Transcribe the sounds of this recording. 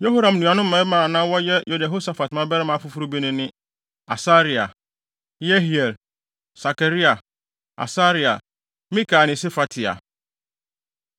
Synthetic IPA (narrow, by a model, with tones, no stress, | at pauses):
jo˦ɦo˦ɾã˨mnũ˨ã˨nʊ̃˦m̩˦mã˦mã˨nã˦wɔ˦jɛ˦jʔo˨da˨ɦo˦sa˨fa˨tmã˦bɛ˦ɾɛ˦mã˨˦fʊ˦fu˦ɾu˦bi˦nʊ̃˦nɪ̃˦ | a̰˨sa˦ɾi˨a̰˨ | je˦ɦi˨ɛ˨l | sa˨ke˨ɾi˦a˨ | a̰˨sa˦ɾi˨a̰˨ | mĩ˦ka˨nɪ̃˨se˦fa˨tʰɪ˨a̰˨